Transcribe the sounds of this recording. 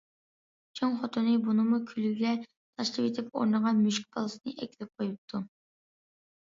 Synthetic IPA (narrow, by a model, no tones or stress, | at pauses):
t͡ʃʰoŋχɔt̪ʰunɨbunɨmukʲʰylyɡʲlʲɛ | t̪ʰɑʃlˠɨpet̪ʰɪpo̰ɾnəʁɑnmyʃk̚ʲbɑ̰lˠɨsɨnɨʔɛkʲilɪp̚qʰojup̚t̪ʰu